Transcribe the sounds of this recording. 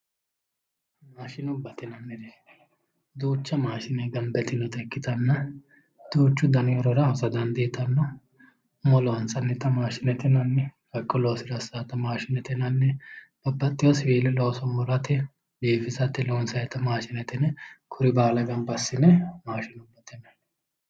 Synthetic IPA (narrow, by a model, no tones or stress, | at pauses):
maːʃɪnʊbɐt̪ɪnɐnːɛɾɛ | d̪uːt͡ʃːɐmaːʃɪnɛɡɐmbɛt̪ɪnɔt̪ɛkːɪt̪ɐnːɐ | d̪̥uːt͡ʃːʊd̪ɐnɪɔɾɔɾɐhɔsɐd̪ɐnd̪iːt̪ɐnːɔ | mɔlɔɐnsɐnːɛt̪ɐmaːʃɪnɛt̪ɛnɐnːɛ | ɐkʼːɔloːsɪɾɐsːaːt̪ɐmaːʃɪnɛt̪ɛnɐnːɛb̥ɐbːɐt̪ʼːɪjɔswiːlɛlo̞ːsɔmɔɾɐt̪ːɛ | beːfɪsɐt̪ːɛloːnsɐɛt̪ɐmaːʃɪnɛt̪ɛnɛkʰʊɾɪbaːlɐɡɐmbɐsːɪnɛmaːʃɪnʊbːɐt̪ɛnɐ